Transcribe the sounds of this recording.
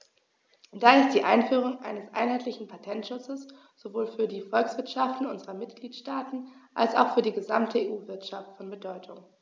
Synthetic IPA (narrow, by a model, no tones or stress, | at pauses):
d̥aːɪst̚d̥iːʔa̰ɪnfyːʁ̞ʊŋʔa̰ɪnəsʔa̰ɪnhɦaɪtlɪçn̩pʰatʰɛntʃʊt͡səs | z̥ovoːlfyːɐdiːfɔlksv̥ɪɐtʃaftn̩ʔʊnzəʁɐmɪtɡ̥liːtʃtaːtn̩ʔa̰lsa̰ʊxfyːɐdiːɡəzamtʰəeːʔuːvɪɐtʃaftfɔnbədɔʏtʰʊŋ